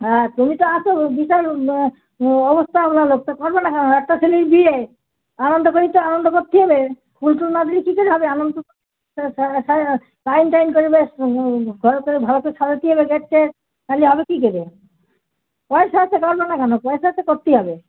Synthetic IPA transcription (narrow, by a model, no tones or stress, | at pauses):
at̪umit̪oat͡ʃʰobiʃaɾ | ɔbost̪ʰamlalok̚t̪akɔɾbenakɛnoɛʈːasʰeliɾbie | anond̪okoɾit̪oanond̪okot̪ːiɦɔbe | kultulnad̪ilikikeɾeɦɔbeanond̪o | a | lajnʈajnkoɾibe | ɡʱɔɾkoɾibʱalokeʃʰaɾat̪iɔbeɡɛʈːe | aliɦɔbekikeɾe | pɔesaat͡ɕʰekɔɾbanakɛnopɔesaaekot̪ːiɦɔbe